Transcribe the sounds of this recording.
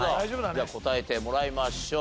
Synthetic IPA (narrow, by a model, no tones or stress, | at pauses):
aobɯaako̞t̪aet̪e̞mo̞ɾaimaɕoː